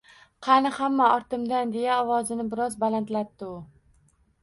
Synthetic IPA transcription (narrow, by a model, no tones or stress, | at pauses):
qʰɑnɪhamːaɒɾt̪ɪmd̪and̪e̞jaɒwɒzɪnɪbɪɾɒzbalant̪lat̪ːɪʊ